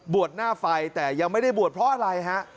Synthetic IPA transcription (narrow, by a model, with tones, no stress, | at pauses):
bu˨˩ət̪̚naː˥˩fa˧jt̪ɛː˨˩ja˧ŋma˥˩jda˥˩jbu˨˩ət̪̚pʰɾɔ˦˥ʔa˧ɾa˧jɦa˦˥ʔ